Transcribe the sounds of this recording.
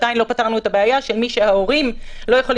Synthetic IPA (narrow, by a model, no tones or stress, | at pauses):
dajnlo̞pataʁnuetabeajaʃe̞lmiʃe̞haoʁimlo̞jeχol